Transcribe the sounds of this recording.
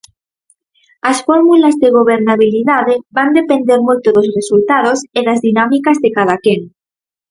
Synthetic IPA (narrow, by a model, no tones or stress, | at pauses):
asfoɾmulazðeɣ̞oβ̞eɾnaβ̞iliðaðeband̪e̞pend̪eɾmujt̪oðosresult̪að̞oseðazðinamikazðekað̞akeŋ